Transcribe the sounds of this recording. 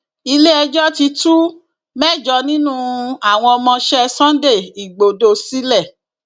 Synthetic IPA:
i˧le˦ɛ˧d͡ʒɔ˦ti˧tu˦ | mɛ˦˨d͡ʒɔ˧˦nĩ˦nũ˦a˦˨w̃ɔ̃˧ɔ˧mɔ̃˧ʃɛ˦sã˦n˦de˦˨i˨ɡ͡bo˨do˧si˦lɛ˦˨

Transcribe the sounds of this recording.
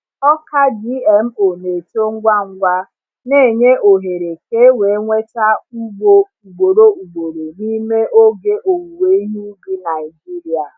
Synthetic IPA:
ɔ˦ka˦di˦ɛ˨m̩˦o˨ne˨to˦ŋ̩˦ɡʷa˦ŋ̩˦ɡʷa˦ | ne˦˨ɲe˦ʔo˨ɦe˨ɾe˨ke˦we˨˦ŋʷe˦ta˦u˦ɡ͡bo˦ | u˨ɡ͡bo˨ɾo˦u˨ɡ͡bo˨ɾo˨ni˦me˦ʔo˦ɡe˦ʔo˨wu˨we˦i˦ɦi˦bi˦na˨ɪ˨d͡ʒi˦ɾi˨a˨

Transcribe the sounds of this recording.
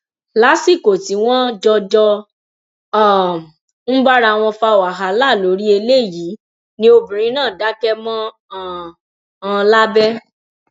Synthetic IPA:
la˨˦si˦˨ko˨ti˨˦w̃ɔ̃˦d͡ʒɔ˧d͡ʒɔ˧˦˨ | n̩˦ba˦ɾa˧˨w̃ɔ̃˧fa˧o˨a˨ɦa˨la˦˨lo˨˦ɾi˦e˧le˦˨ji˨˦ | nĩ˦o˧bĩ˨ɾ̃ĩ˦nãː˦˨da˨˦kɛ˦mɔ̃˦˨ | ã˧la˦bɛ˦

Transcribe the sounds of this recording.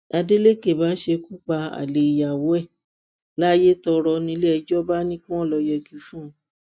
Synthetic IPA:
a˧de˦le˦ke˦˨ba˨˦ʃe˧ku˦k͡pa˧a̰˨le˨i˨ja˨wo˨˦ɛ˦˨ | la˦je˦tɔ˧ɾɔ˧nĩ˧˦lɛ˦˧d͡ʒɔ˦ba˦nĩ˦kũ˦ɔ̃˦˨lɔ˧jɛ˧kĩ˧˦fũ˦˨

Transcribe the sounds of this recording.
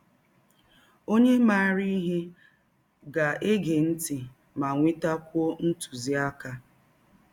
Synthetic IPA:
o˦ɲe˦ma˦˨ɾi˦ɦe˦ | ɡa˨e˦ɡe˨n̩˦ti˨ | ma˨ŋʷi˦ta˦kʷo˦n̩˦tu̥˨zi˦a˦ka˦

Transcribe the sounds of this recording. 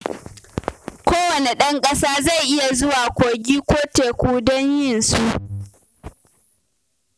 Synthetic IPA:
kʷoː˦wɐ˨ne˨ɗɐ˦ŋkʼɐ˦saː˦za˦˨jʔɪ˦ja˨zʊ˦waː˨kʷoː˨ɡʲiː˦kʷoː˦teː˨kʷuː˦dɔ˦ɲjɪ˦˨nsu˦ʔ

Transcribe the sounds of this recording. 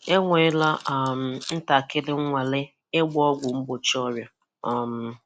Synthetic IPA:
e˦ŋʷe˨˦la˦a˨m̩˨n̩˦ta˨kɪ˦lɪ˦ŋ˦ŋʷa˨lɪ˦ | e˦ɡ͡bɔ˦ɡʷʊ˨m̩˦bʊ˨t͡ʃɔ˦bja˨ | a˨m̩˨

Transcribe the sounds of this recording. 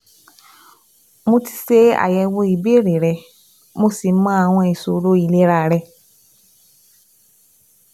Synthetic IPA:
mo˧ti̥˧se˦a̰˨jɛ˧wo˧i˨be˦˨ɾi˨ɾɛ˧ | mo˧si˨˦mã˦a˨w̃ɔ̃˧i˨so˨ɾo˧˦i˧˨le˦ɾa˧˨ɾɛ˧

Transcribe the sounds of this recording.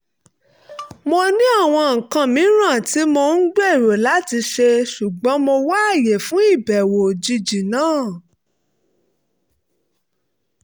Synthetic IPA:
mo˧nĩ˦a˦˨w̃ɔ̃˧ŋ̩˨kã˧˨mĩ˨˦ɾ̃ã˦˨ti˨˦mo˧n̩˦ɡ͡bɛ˦i˦˨ɾo˨la˨˦ti˧ʃe˧ʃu˨ɡ͡bɔ̃˨˦mo˧wa˦˨je˨fũ˨˦i˦˨bɛ˨wo˨d͡ʒi˧d͡ʒi˨nãː˦˨

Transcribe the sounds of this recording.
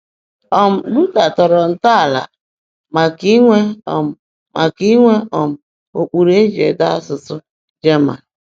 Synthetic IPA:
ɔ˨m̩˨lu˦ta˨tɔ˨ɾɔ˨n̩˨ta˦˨la̰˨ | ma˨ki˦ŋʷe˦ɔ̰˨m̩˨ | mʔa˨ki˦ŋʷe˦ɔ˨m̩˨ | o˨k͡pu˨ɾe˦d͡ʒḛ˨da˦sʊ˨tʊ˦ | d͡ʒe˦ma̰˨

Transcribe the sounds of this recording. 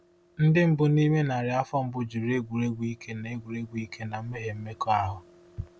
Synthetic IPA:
n̩˦dɪ˦m̩˦bʊ˨ni˦me˦na˨ɾɪ˨˦a˦fɔ˦m̩˦bʊ˦d͡ʒu˨ɾe˦ɡʷu˨ɾe˦ɡʷi˦kʰe˦ne˦ɡʷu˨ɾe˦ɡʷi˦kʰe˦na˨m̩˦me˦ɦe˨m̩˦me˦kɔ˦a˦ɦʊ˨

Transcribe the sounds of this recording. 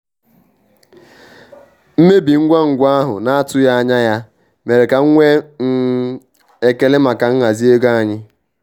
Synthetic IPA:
m̩˦me˦bi˨ŋ̩˦ɡʷa˦ŋ̩˨ɡʷa˦a˦ɦʊ̰˨na˦a˦tʊ˦ja˦a˦ɲa˦ja˦ | me˨ɾe˨ka˨ŋ̩˦ŋʷe˦n̩˦ | e˨ke˨lɪ˦ma˨ka˨ŋ̩˦ŋa˨zi˦e˦ɡa˦a˨ɲɪ˦

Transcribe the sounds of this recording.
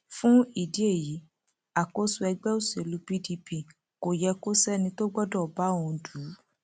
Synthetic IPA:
fũ˦i˦˨di˨˦e˦˨ji˨˦ | a˨ko˦su˧ɛ˧ɡ͡bɛ˦o˦˨se˨lu˨˧pi˦di˧pi˧˨ | ko˨jɛ˧ko˦sɛ˦nĩ˧to˦ɡ͡bɔ˦dɔ˦˨ba˨˦õ˧du˨˦

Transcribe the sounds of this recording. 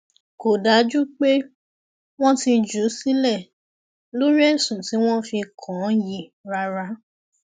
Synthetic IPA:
ko˨da˨˦d͡ʒu˦k͡pe˦ | w̃ɔ̃˦ti˧d͡ʒu˨˦si˦lɛ˦˨ | lo˦ɾi˦ɛ˦˨sũ˨ti˨˦w̃ɔ̃˦fi˧kʰɔ̃˨˦ji˦˨ɾa˧ɾa˧

